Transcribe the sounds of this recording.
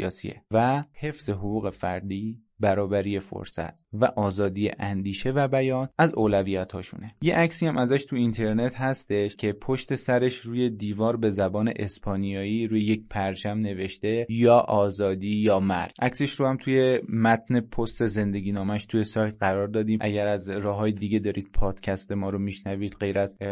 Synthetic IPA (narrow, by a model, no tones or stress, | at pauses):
ɒ̰ːsḭḛvæhe̞fz̥e̞ɦoɣuːɣe̞fæ̰ɾd̪iː | bæɾɒːbæɾijefo̰ɾsæ̰t̪̚ʰvæʔɒːzɒːd̪ijḛʔænd̪iːʃe̞væbæjɒːnæzoːlæviːjæt̪ʰhɒːʃṵnejeʔæcsiːæmʔæzæʃt̪ʰuint̪ʰe̞ɾne̞t̪hæst̪e̞ʃcʰe̞pʰo̞ʃt̪e̞sæɾe̞ʃɾuːje̞d̪iːvɒːɾbe̞zæbɒːne̞̰ʔespʰɒːnijɒːiːɾuːjeje̞c̚pʰæɾt͡ʃʰæmne̞ve̞ʃt̪e̞jɒːʔɒːzɒːd̪iːjɒːmæ̰ɾʔæcseʃɾohæmt̪ʰuje̞mæt̪̚ne̞pʰo̞st̪e̞ze̞nd̪e̞ɟʲiːnɒːmæʃt̪ʰuje̞sɒːjt̪̚ɢæɾɒːɾd̪ɒːd̪iːmʔæɟæɾæzɾɒːɦɒːjed̪iɟe̞d̪ɒːɾiːd̪̥̚pʰɒːd̪̥cʰæst̪e̞mɒːɾomiʃnæviːd̪ɢe̞jɾæz